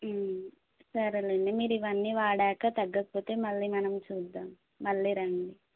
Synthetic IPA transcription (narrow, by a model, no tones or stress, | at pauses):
sɐɾɐlɐɳɖimiːɾuiʋɐnːiːʋaːɽɛːkat̪ɐɡːɐpoːt̪e̞ːmɐɭːiːmɐnɐmt͡ʃuːd̪ːaːmː | ɐɭːiːɾɐɳɖi